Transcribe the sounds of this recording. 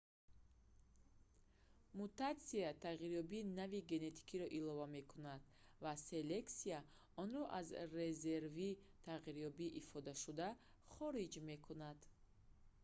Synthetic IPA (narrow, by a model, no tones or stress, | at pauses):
mut̪at̪siat̪ʰaʁiɾjɔbiːnaviɡe̞ne̞t̪ʰi̥kʰiɾɔʔilɔvame̞kʰunad̪̥ | vase̞le̞ksia | ɔnɾɔʔazɾe̞ze̞ɾvit̪ʰaʁiɾjɔbiʔifɔd̪aʃud̪a | χɔɾid͡ʒme̞kʰunad̪̥